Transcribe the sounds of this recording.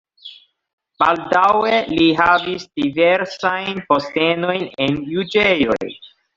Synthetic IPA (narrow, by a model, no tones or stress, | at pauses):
b̥aldaweliɦavisdiveɾsajnpo̞ste̞no̞jnenjud͡ʒe̞jo̞̰j